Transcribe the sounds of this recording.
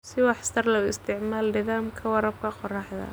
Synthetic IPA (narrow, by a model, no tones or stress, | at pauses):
sɪwɑħsɐrlɐʊɪst̪ʰɪʕmaːlnɪðaːmkʰɐwɑɾɐb̚kʰɐqɔraːħðɐ̰